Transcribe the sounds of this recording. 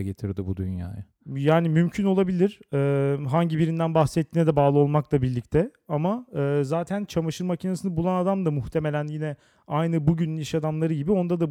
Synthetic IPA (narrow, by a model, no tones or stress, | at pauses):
ɡet̪ʰiɾd̪ibud̪ynja̰ːja | jaːnimymcʰyno̞lˠabilʲiɾ̥ɛːɦaɲɟibiɾind̪ænbaxsɛt̪ːiːnɛd̪ɛbaːlˠɯo̞lˠmaklˠabiɾlʲict̪ʰɛ | amaɯːzaːt̪ʰænt͡ʃʰamaʃɯɾmacʰinasɯnɯbulˠanad̪amd̪amuxt̪ʰe̞me̞lʲænjinɛ | ajnɯbuɟynyniʃad̪amlˠaɾɯɟibio̞nd̪ad̪a